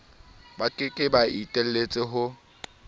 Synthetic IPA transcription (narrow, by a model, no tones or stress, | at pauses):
bakʼɪkʼɪbaitʼel̩let͡sʼɪɦʊ